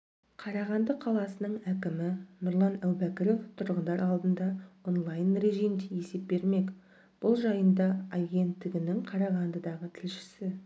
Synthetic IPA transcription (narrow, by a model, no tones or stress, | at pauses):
qʰɑɾɑʁɑnd̪əqʰɑlˠɑsənəɴækʲɪmɪnʊɾlˠɑnæwbækʲɪɾo̞ft̪ʰʊɾʁənd̪ɑɾɑlˠd̪ənd̪ɑo̞nlˠɑjnreʒijmd̪eje̞se̞p̚be̞ɾme̞kʲ | b̥ʊlˠʒɑjənd̪ɑːɡʲe̞nt̪ːɪɡʲɪnɪŋqʰɑɾɑʁɑnd̪əd̪ɑʁət̪ʰɪlʃɪ̥sɪ